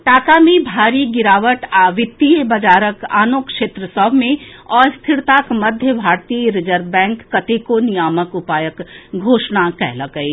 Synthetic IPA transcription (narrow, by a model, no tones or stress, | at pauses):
ʈaːkamẽbʱaːɾiɡɪɾaːʋəʈaːʋɪt̪ːibɐd͡ʒaːɾəka̰ːnoːkʃeːt̪ɾəsɔbmẽɔːɾst̪ʰɪɾt̪aːkmɐd̪ʱjəbʱaːɾt̪iːɾɪd͡ʒəɾʋbɛ̃ːŋkːɐt̪ekonɪjaːməkʊpaːjəkɡʱoːʃnakɛ̰ɦlɐɡəi